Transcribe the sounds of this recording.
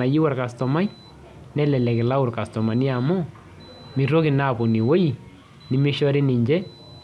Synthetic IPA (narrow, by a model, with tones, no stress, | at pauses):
a˨ji˦wa˨ɾka˨stɔ˨ma˦j | nɛ˦lɛ˨lɛ˨kɪ˨la˦ʊ˨ɾka˨stɔ˨ma˨ni˦a˨mo˦ | mi˨ɾo˦kɪ˨na˦˨po˨ni˨wo˦i˨ | nɪ˦mɪ˦ʃɔ˦ɾi˦nɪ˨ɲd͡ʒɛ˦